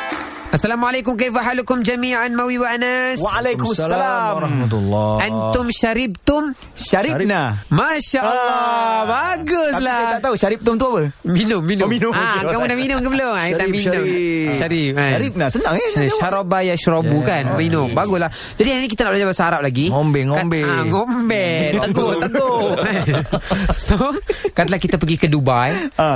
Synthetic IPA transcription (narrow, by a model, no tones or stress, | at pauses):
ʔasːalamualajk̬ʊmk̬ajfaɦalukʊmd͡ʒamiʕanmawiwaʔanasalajksalamhmlʔant̪ʊmʃaɾib̚t̪ʊm | ʃaɾinamaʃaʔalɔbaɡʊslaaʔt̪auʃaɾip̚t̪ʊmt̪uapəminʊmːinminʊkamunaminʊmŋkəbəlomait̪aminʊʃaɾip̚aaɾip̚nasənãŋɛʃaɾabajaʃɾobukanminʊŋbaɡʊslah | d͡ʒadiainikit̪anaʔblad͡ʒabasəaɾap̚laɡiŋombɛŋabɛaŋombɛt̪əɡot̪əɡoa | sokat̪lahkit̪apəɡikədubaj